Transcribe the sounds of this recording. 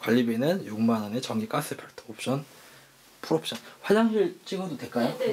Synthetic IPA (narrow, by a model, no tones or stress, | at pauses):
kwaʎːibinɯnjoŋmanʌnet͡ɕʌŋɡik͈as͈ɯpʰjʌɭtʰoop̚ɕ͈ʰʌn | pʰuɾʌp̚ɕ͈ʌnɸwad͡ʑaŋɕiɭt͡ɕʰiɡodotwek͈ajo